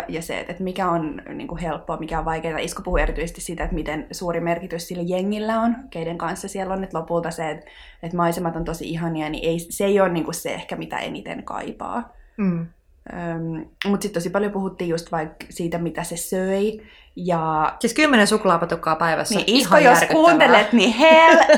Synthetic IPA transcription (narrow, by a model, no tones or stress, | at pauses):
jɑsḛt̪et̪mikæonnḭːŋkuhelpːoːmikæoʋʋɑikeːt̪ɑ̰iskopuhueɾit̪yisest̪issiːt̪æet̪mit̪ensuːɾimerkit̪yssilːæjeŋːilːæonkeideŋkɑnsːɑsiɛlːonːet̪lopult̪ɑseːt̪ | et̪mɑisemɑt̪ont̪osḭiɦɑniɑnḭʔeiseijoːnniːŋkussḛḛhkæmit̪æ̰ʔḛnit̪ḛnkɑ̰ipɑ̰ː | ømmut̪sit̪t̪osipɑljopuhut̪ːiːjust̪ʋɑiksiːt̪æmit̪æsesøi | jɑsiskymːenensukulɑpɑt̪ukːɑːpæiʋæ̰sːniʔiskojoskuːnt̪elet̪nihel